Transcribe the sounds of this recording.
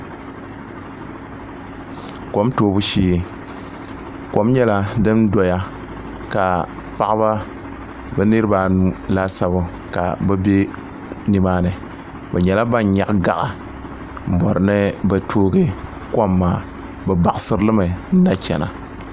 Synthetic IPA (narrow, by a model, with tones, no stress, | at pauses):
ko˨˦mtoː˨˦bu˦ʃiː˦˨ | ko˨˦mɲɛ˦la˦dɨ˦m˦dɔ˨ja˦ | ka˨ | pa˦ʔba˦ | bɛ˦nɨ˦ɾba˨nu˦la˦sa˦bʊ˦ | ka̰˨bɛ˦be˦ | ni˨maː˦nɨ˨ | ba˨ɲɛ˨la˦ba˦nɲa˨ʔɡa̰˨ʔa˨ | m̩˨bɔ˨ɾnɨ˦ba˨tʰoː˦ɡe˦ | ka˦mːaː˨ | bɨ˨ba˨ʔsɨ˦ɾlɨ˦ma˨n̩˦na˦kʲɛ̰˨na̰˨